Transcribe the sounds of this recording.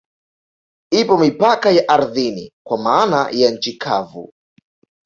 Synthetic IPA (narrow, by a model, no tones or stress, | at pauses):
ipɔmipakajaʔaɾðinḭkwamanajan̩t͡ʃikʰavṵ